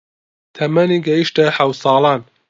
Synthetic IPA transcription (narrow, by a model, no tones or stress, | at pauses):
t̪ʰɐmɐniːɡɐjiʃt̪ɐħɐw̪sˤɑːlˠɑːn